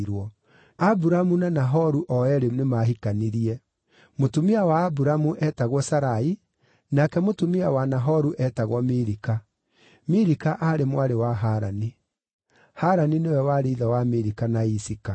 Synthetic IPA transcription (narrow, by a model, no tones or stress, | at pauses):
ɾwɔ | abuɾamunanaɦɔɾuʔɔɛɾenemaɦikaniɾiɛ | motomiawaːbuɾamuʔɛtaɣwɔsaɾai | nakɛmotomiawanaɦɔɾuʔɛtaɣwɔmeɾika | meɾikaʔaɾemwaɾewaɦaɾani | haɾaninewɛwaɾeiðawameɾikanaisika